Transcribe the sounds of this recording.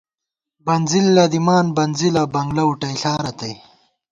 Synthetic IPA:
bɐnzilːɐd̪imaːnbɐnzilɐbɐŋɡlɐuʈɐjɬaːɾɐt̪ɐj

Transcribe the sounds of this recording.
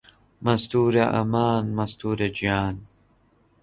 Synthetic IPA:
mɐst̪uːɾɐʔɐ̰maːnmɐst̪uːɾɐd͡ʒaːn

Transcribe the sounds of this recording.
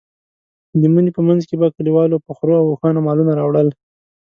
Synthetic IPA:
d̪əmənipəmanzkebakɽiwɑlopəxɾoawoxɑnamɑlunaɾɑwɽəl

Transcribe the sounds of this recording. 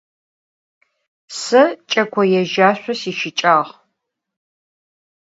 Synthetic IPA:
sɨt͡ʃʼɐkʷʰɔjɛʒaːɕʷɔsiːʃɪt͡ʃʼaːʁ

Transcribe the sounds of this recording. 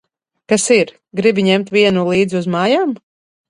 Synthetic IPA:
kasiɾ | ɡɾibiɲɛmt̪vʲiɛnulˠiːd̪ziuzmaːjaːm

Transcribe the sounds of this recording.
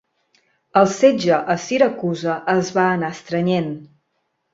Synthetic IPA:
əlˠsed͡ʒəʔəsiɾəkuzəʔəzβaənaəst̪ɾəɲen

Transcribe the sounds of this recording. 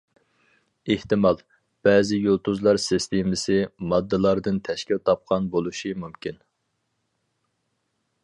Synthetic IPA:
eht̪ɨmɑlˠ | b̥ɛːzɪjolˠt̪uzlˠɑɾsɪst̪ʰemɪsɪmɑd̪ːɨlˠɑɾd̪ɨnt̪ʰɛʃkʲilt̪ʰɑp̚qʰɑnbolˠuʃimumkʲʰin

